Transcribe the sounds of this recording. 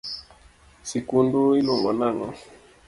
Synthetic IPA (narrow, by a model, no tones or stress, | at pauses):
sikunduiluŋɡɔ̰naŋɔ̰